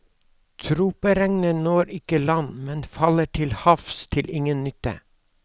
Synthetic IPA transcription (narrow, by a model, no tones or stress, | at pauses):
t̪ʰɾuːpəɾɛŋnənoːɾɪkəlɑnmɛnfɑləʈʰɪlhɑfst̪ʰɪlʔɪŋənnʏt̪ə̰